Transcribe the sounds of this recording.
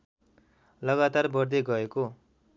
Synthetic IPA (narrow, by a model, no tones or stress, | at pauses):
lʌɡat̪arbʌrd̪eɡʌeko